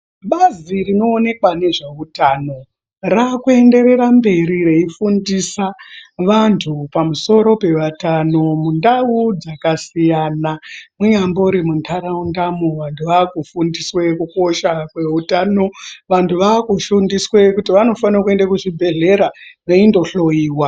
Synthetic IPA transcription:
ɓazirino̞ːne̞kwane̞ʐe̞utano̞ | rakue̞nde̞ɾe̞rambe̞ɾire̞ifundisaʋantʰupamuso̞ɾo̞pe̞ʋatano̞mundaud͡zakasijanamuɲambo̞uɾimuntʰaɾaundamoʋantʰuʋaːkufundiswekuko̞ʃakwe̞utaːno̞ʋantʰuʋaːkuʃundiswekutiʋano̞fanrakue̞ndakuʐibʱe̞ɮe̞ɾaʋeindo̞ɬo̞iːwa

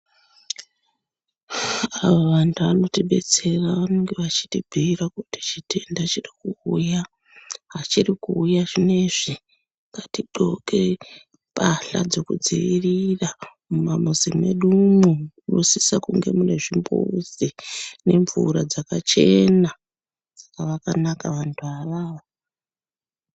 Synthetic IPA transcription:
aʋoʋantʰuano̞tiɓe̞t͡se̞raʋanoŋɡe̞ʋat͡ʃi̥tibʱiirakuti̥t͡ʃite̞ndat͡ʃirikuuja | ɦat͡ʃirikuːjaʐine̞ʐi | ŋɡatiǃo̞ke̞ | paɬa̰d͡zo̞kud͡ziʋirira | mumamuzimḛɗumuunosisakuŋɡe̞̰mune̞ʐimbusine̞ɱvuɾad͡zakat͡ʃe̞na | d͡zakaʋakanakaʋantʰuaraːʋa

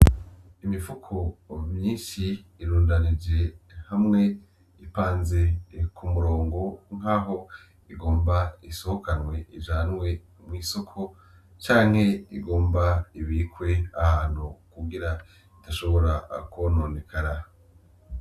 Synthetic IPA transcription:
imifukʰojiːnʃiːɾuːndanid͡ʒe̞hamŋe̞ | ipaːnze̞kʰumuɾo̞ːŋɡo̞ŋ̥aːɦo̞ | iɡo̞ːmbaisohokanwe̞id͡ʒaːnwe̞ | mŋiːso̞kʰo̞ | t͡ʃaːŋhe̞iɡoːmbaiβiːkwe̞ahaːn̥hukuɡiɾa | itaʃo̞βo̞ɾakuβono̞nekʰaɾa

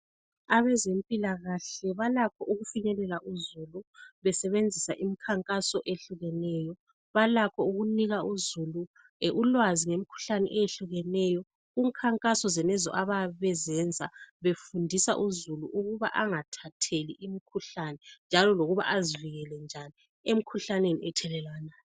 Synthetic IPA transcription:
aβɛzempʼilaɣaɬɛβalakʰɔʔuɣufiɲɛlɛlaʔuzuluβɛsɛβend͡zʱisaʔimikʰaŋkʼasɔʔeɬuɣɛnɛːjɔ | βalakʰɔuɣuniɣauzulu | ʔulwaziŋemikʰu̥ɬanɛʔɛjeɬuɣɛnɛjɔ | uŋkʰaŋkʼasɔzɛnɛzɔ̰ʔaβaβɛzɛnd͡zʱaβefundʱisa̰ʔuzuluʔuɣuβaʔaŋatʰatʰeliʔimikʰuɬanɛnd͡ʒʱalɔloɣuβa̰ʔaziviɣɛlɛnd͡ʒʱani | em̩kʰuɬanenḭɛtʰɛlɛlanaː

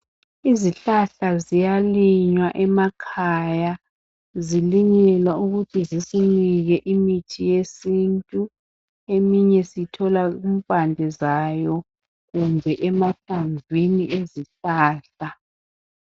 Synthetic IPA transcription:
iziɬaɬazijaliɲwaʔɛmakʰaja | ziliɲɛlwauɣutʰizisiniɣɛʔimitʰijesintʼu | emiɲɛsitʰɔlaum̩pʼandʱɛzajɔ | ɣumbʱɛʔɛmaɬaɱvʱiniʔeziɬaːɬa

